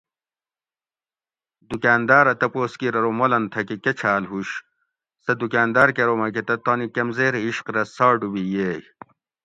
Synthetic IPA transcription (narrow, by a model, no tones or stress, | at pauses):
d̪ukaːnd̪aːɾɐt̪ɐpoːskiɾɐɾomolɐnt̪ʰɐkiket͡ɕʰaːlɦuɕ | sɐd̪ukaːnd̪aːɾkeɾomɐk̬et̪ɐt̪onikɐmzeːɾiɕqɾɐsaːɖubijeːj